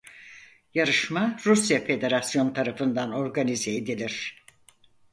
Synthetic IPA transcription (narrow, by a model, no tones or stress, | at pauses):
jaɾɯʃmaɾusjafe̞d̪e̞ɾasjo̞nt̪ʰaɾafɯnd̪ano̞ɾɡanizeed̪ilʲiɾ̥